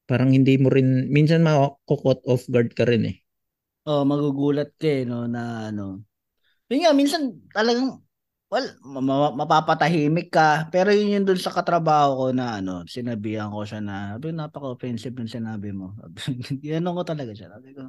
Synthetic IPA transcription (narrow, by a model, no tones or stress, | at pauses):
paːɾɐŋhɪnd̪iːmoɾɪnminsɐnmɐkokot̪̚ʔofɡɐɹd̪̚kɐɾɪnʔɛ | ʔomɐɡuɡuːlɐt̪̚kɐɛno̞nɐʔɐno̞ | jʊnŋaminsɐnt̪ɐlɐɡaŋ | wɛlmɐmɐmɐpaːpɐt̪ɐɦiːmɪkːɐpɛːɾo̞jʊnjʊnd̪ʊnsɐkɐt̪ɾɐbaːho̞ko̞nɐʔɐno̞̰sɪnɐbiːhɐŋko̞ʃanɐsaːbɪkonaːpɐkɐʔofɛnsɪbnʊŋsɪnaːbɪmo̞sa̰bɪɡɪnɐnoŋkot̪ɐlɐɡaʃa̰t̪ɐɡɐɡɐ